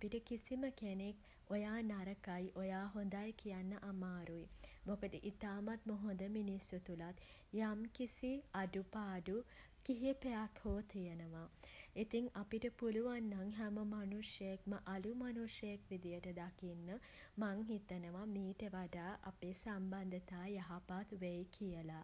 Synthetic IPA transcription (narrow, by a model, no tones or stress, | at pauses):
apiʈəkisiməkenek | ojaːnaɾəkajʔojaːɦond̪ajkijanːəʔamaːɾujimokəd̪əʔit̪aːmat̪̚moɦond̪əminisjut̪ulat̪ | jamkisiaɖupaːɖu | kiɦipejakʰhoːt̪ʰijənəʋait̪iŋapiʈəpuluʋanːaŋɦæməmanuʂjəjekməʔalumanuʂjəjekʋid̪ijəʈəd̪akinːə | maŋɦit̪ənəʋamiːʈəʋaɖaːʔapeːsamband̪ət̪aːjaɦapat̪ʋejkʰijəla